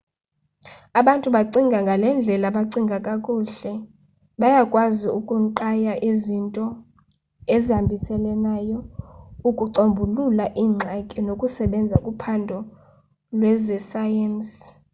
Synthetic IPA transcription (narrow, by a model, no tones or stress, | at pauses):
aɓantʼuɓaǀiŋɡʱaŋɡʱalɛnd͡ɮʱɛlaɓaǀiŋɡʱakʼakʼuːɬɛ | ɓajakʼwaziukʼuŋǃajaʔizintʼɔ | ezihambʱisɛlɛnaːjɔukʼuǀombʱululaʔiːŋ͡ǁʱakʼinokʼusɛɓɛnd͡zʱakʼupʰandʱɔ | lwɛzɛsajɛns